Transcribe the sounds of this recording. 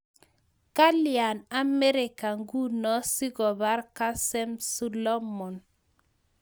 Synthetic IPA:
ka˦lja˨na˦me˦ɾi˨ka˨ŋɡu˦nɔ˦si˦ɡɔ˨ba˦ɾka˦sɛ˦msu˦lɔ˦mɔ˨n

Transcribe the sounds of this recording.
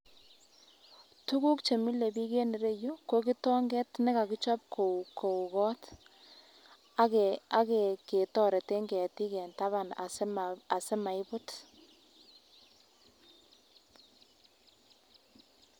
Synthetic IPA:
tu˦ku˦kt͡ʃe˨mi˦le˨bi˦ke˦ni˨ɾe˦jo˦ko˦ki˦tɔ˦ŋɡɛ˦tnɛ˦ka˨ki˦t͡ʃɔ˦p̚kʰo˨kʰo˨u˨kɔ˦t | a˦ke˨ke˨tɔ˨ɾe˨te˦ŋɡɛ˨ti˦kɛ˨nta˦βa˨na̰˨sma˨se˦ma˨ɪ˦bʊ˦t

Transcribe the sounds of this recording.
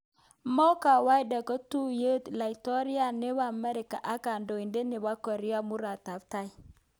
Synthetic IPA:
mɔ˦ka˨wa˦jda˨kə˦tu˦je˦tla˨i˨tɔ˦ɾi˦a˦ne˦βa˨mɛ˦ɾi˨ka̰˨ʔa˦ka˨ndo˨i˨nde˦ne˨ba˦kɔ˨ɾi˦a˦mu˦ɾa˨ta˨bta˦j

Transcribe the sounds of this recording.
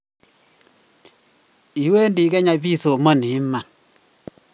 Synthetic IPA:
i˨we˦ndi˨˦kɛ˦ɲa˨bi˦so˨mɔ˦˨ni˨˦ma˨

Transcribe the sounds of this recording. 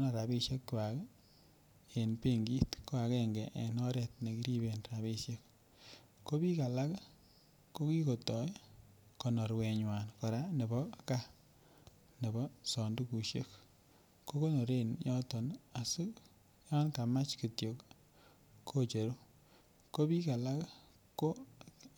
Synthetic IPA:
nɔ˦ɾa˨bi˦ʃje˦kkwa˨k | e˨npe˦ŋɡi˦tko˦a˨kɛŋɡɛ˨ʔe˨nɔ˦ɾɛ˨tne˨ki˦ɾi˦be˨nɾaβi˦ʃje˦k | ko˦pi˦ka˨la˦k | ko˦ki˦ko˨tɔ˨j | ko˨nɔ˨ɾwe˨ɲwa˨nkɔ˨ɾa˦ne˨bɔ˦ka˦ | ne˨bɔ˦sɔ˨ndu˦ku˨ʃjḛ˦k | kːo˦ko˦no˨ɾe˦njɔ˦tɔ˨na˨su˦k | ja˦nka˨ma˦t͡ʃke˨tjo˨k | kʰo˦t͡ʃe˨ɾu˦ | ko˦pi˦ka˨la˦k | ko˦

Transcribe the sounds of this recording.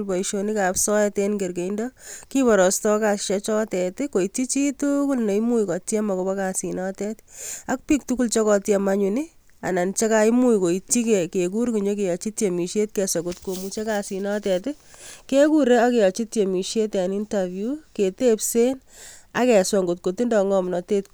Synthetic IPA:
lbɔ˨iʃo˨ni˦ka˨psɔ˦ɛte˦nɡe˨rke˨ndɔki˦bɔ˨ɾɔ˨stɔ˦ka˨sʃat͡ʃɔ˦tɛtɪko˨i˨ti˦t͡ʃi˦tuku˦lne˨imu˦jkɔ˨tɛ˦ma˨ko˨bɔ˦kasi˨nɔ˦tɛta˦k̚pi˦k̚tu˦ku˦lt͡ʃɔ˦kɔ˨tjama˦ɲu˨ni˦ | a̰˨na˨nt͡ʃe˦ka˦imu˦jko˨i˨ti˦ke˨ke˨ku˦ɾku˨ɲo˦k̬e˨jɔ˨t͡ʃi˦tje˨mi˨ʃje˦t̚kɛ˨sɔ˨ŋɡotko˨mu˨t͡ʃe˦ka˨si˨nɔ˦tɛ˨tɪ˦ | ke˦ku˦ɾe˦ake˨jɔ˨t͡ʃi˦tje˨mi˨ʃe˦ta˨ni˦nta˨vjuke˨te˦pse˦n | a˦kɛ˨sɔ˨ŋɡot̚ko˨ti˦ndɔ˨ŋɔ˦mnɔ˨te˦t̚k

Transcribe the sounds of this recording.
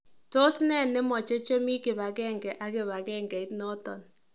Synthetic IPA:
to˦snɛ˦˨nɪ˦mɔ˨t͡ʃe˦t͡ʃe˦mi˦kɪ˨ba˨kɛ˦˨ŋɡɛ˨ʔa˦kɪ˨βa˨kɛ˦˨ŋɡɛ˨ɪ˦tnɔ˦tɔ˨n

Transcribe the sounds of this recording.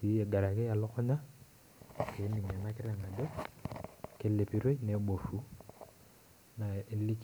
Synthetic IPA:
i˨˦e˨ɡa˨ɾa˨ke˦a˨lɔ˦kɔ˦ɲa˦ | ke˨˦ni˨ɲa˨na˦kɪ˦ɾa˦˨na˨do˦ | ke˦le˨pi˦ɾe˦ne˨˦bo˨fu˦ | na˨e˦li˦k

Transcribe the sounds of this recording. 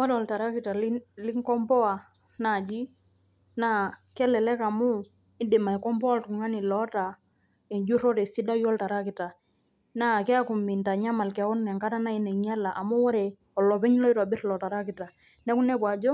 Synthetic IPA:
wɔ˦ɾɔ˨lta˨ɾa˦ki˨ta˨lli˦ŋ˦kɔ˦mbɔ˦a˨ | na˨d͡ʒi˦ | na˦kɛ˦lɛ˨lɛ˦ka˨mu˦ | ɪ˦di˨ma˨kɔ˦mbɔ˦a˦ltu˨ŋa˦ni˨lɔ˨˦ta˨ | ɛ˨ɲd͡ʒu˦ɾɔ˦ɾɛ˨si˦da˦jɔ˦lta˨ɾa˦ki˨ta˨ | na˦˨kɛ˦a˦ku˨mi˨nta˨ɲa˦ma˨lkɛ˨ɔ˦nːɛ˨ŋka˦ta˦na˦i˦nɛ˨ɲa˦la˨ʔa˨mu˦wɔ˦ɾɛ˨ | ɔ˨lɔ˨pɛ˦ɲ˦lɔ˦i˦ɾa˨bi˦ɾlɔ˨ta˨ɾa˦ki˨ta˨ | nɛ˦ku˦nɛ˦pwa˨d͡ʒɔ˦

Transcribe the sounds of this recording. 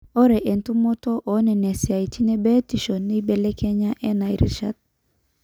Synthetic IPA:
ɔ˦ɾɛ˨ʔe˨ntu˦mo˦tɔ˦ʔɔ˨˦nɛ˨nɛ˨sɪ˨a˨i˨tʰi˦nɛ˦bɛ˦ti˨ʃɔ˨nːi˦bɛ˨lɛ˦kʰɛ˦ɲa˦ʔɛ˦na˨ḭ˨ɾḭ˦ʃa̰˦t̚

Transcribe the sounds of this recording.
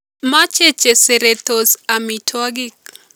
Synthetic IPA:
ma˦t͡ʃe˦t͡ʃe˨se˨ɾe˨t̪o˨sa˨mi˨tʰwa˦ɡɪ˦k

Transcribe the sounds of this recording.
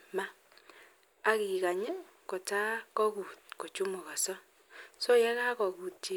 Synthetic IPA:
ma˦ | ɣi˨ɣa˨ɲe˦ko˨ta˦kɔ˦ɣu˨t̚ko˨t͡ʃu˦mo˨ɣa˨sɔ˦ | so˦ja˦ɣa˦kɔ˨ɣu˨t͡ʃe˦

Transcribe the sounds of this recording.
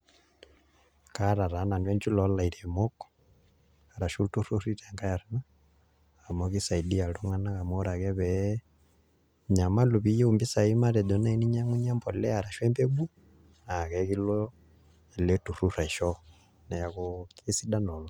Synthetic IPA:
kaɾa˨ɾa˨na˨nwɛnd͡ʒu˦lɔla˨i˨ɾɛmɔkɔ̥ | a˨ɾa˨ʃu˦tu˦ɾu˦ri˦ɾɛŋɡa˦ja˨ɾana | amɔɣi˦sa˨idija˨lɔ˦ŋa˦na˦ɣa˨mɔ˦ɾa˨ɣɛβɛ | ɲa˨ma˦lu˨βi˦jɛ˦umbi˦sa˨i˦ma˦ɾɛ˨dɔ˨na˦ini˦ɲa˦ŋu˦ɲa˦mbɔlɛ˦a˨ɾa˨ʃwɛ˦mbɛ˦βu˦ | na˨ɣɛ˨ɣilɔ | ɛ˨lɛtu˨ɾu˦ɾaʃɔ | na˨ja˨kɔki˦si˦da˦nɔ˨lɔ

